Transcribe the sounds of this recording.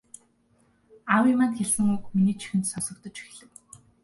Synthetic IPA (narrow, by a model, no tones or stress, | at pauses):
awimaːnt̪xʲeɮsɘ̆ŋukminiːt͡ɕʰi̥xɘ̆nt̪sɔsɞ̆k̚t̪ɞ̆t͡ɕixɮɘ̆w